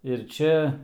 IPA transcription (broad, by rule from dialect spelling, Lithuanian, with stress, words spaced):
ɪr ˈt͡ʃʲɛ